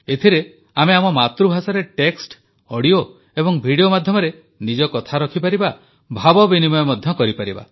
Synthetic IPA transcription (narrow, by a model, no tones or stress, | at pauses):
et̪ʰiɾe | ameamɔmat̪ɾubʱasɔɾeʈeksʈ | ɔɽio | ebɔŋbʱiɽijomad̪ʱjɔmɔɾe | nid͡ʒɔkɔt̪ʰaɾɔkʰipaɾiba | bʱabɔbinimɔjɔmɔd̪ʱjɔkɔɾipaɾiba̰